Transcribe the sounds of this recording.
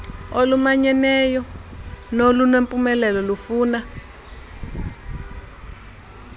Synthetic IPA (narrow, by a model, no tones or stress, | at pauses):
olumaɲɛnɛjɔnolunwempʼumɛlɛlɔlufuːna